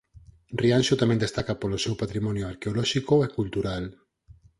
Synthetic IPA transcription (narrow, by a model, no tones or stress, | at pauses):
rianʃot̪amẽnd̪est̪akapolosewpat̪ɾimɔnjoaɾkeolɔʃikoekult̪uɾal